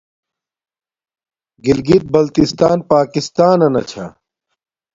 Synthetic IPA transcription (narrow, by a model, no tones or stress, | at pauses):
ɡilɡit̪̚bɐlt̪ist̪aːnpaːkist̪aːnɐnɐ̰t͡ɕʰa̰